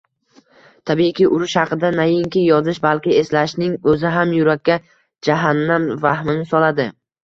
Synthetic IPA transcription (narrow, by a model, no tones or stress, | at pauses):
t̪ʰabikʲɪʔʊɾʊʃhɑqɨd̪anajɪŋkʲɪjɒzɪʃbalkʲɪe̞slaʃnɪŋɵzɪɦamjʊɾakʲːa | d͡ʒaɦanːamvahmɪnɪsɒlad̪ɪ